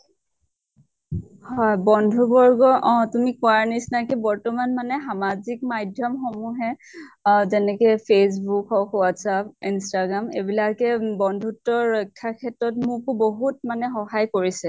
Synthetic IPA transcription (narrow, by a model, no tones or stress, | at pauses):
hɔjbɔndʱubɔɹɡɔʔɔ̃tumikuanisnakɛbɔɹtɔmanmanɛxamazik̚majdʱjɔmxomuɦɛ | zɛnɛkɛpʰes̬bukɔkwatsapinstaɡɹamebilakɛbɔndʱutːɔɹɔjkʰːakʰɛtɹɔtmʊkʊboɦut̚manɛxɔɦajkoɹisɛ